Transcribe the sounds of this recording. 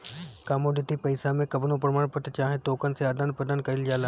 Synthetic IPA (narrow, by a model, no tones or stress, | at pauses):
kaːmoɖɪt̪ipɐɪsamẽkɐbnõpɾəmaːɽ̃pət̪t͡ʃaːɦẽt̪oːkənseaːd̪ənpəd̪ən̚kɐɪld͡ʒaːlaː